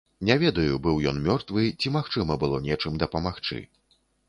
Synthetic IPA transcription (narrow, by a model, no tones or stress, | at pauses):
nʲɛvʲɛd̪ɐjubɨwjɔnmʲɔrt̪vɨt͡sʲimaxt͡ʂɨmɐbɨlˠɔnʲɛt͡ʂɨmd̪ɐpɐmaxt͡ʂɨ̰